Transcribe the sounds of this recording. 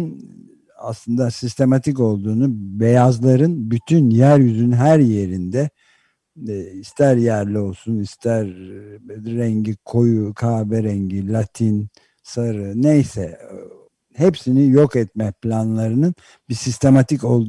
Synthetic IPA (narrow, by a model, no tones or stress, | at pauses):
n | a̰slˠɯnd̪asist̪ʰe̞mat̪ʰiko̞lˠd̪uːnube̞jazlˠaɾɯnbyt̪ʰynjæɾjyzynynɦæɾje̞ɾind̪ɛ | ist̪ʰæɾjæɾlʲio̞lˠsunist̪ʰæɾː | ɛɲɟikʰo̞jukʰaːbɛɾɛɲɟilʲat̪ʰin | saɾɯnejsɛ | hepsinijo̞kɛt̪mɛplʲanlˠaɾɯnɯn | bisist̪ʰe̞mat̪ʰico̞lˠd̪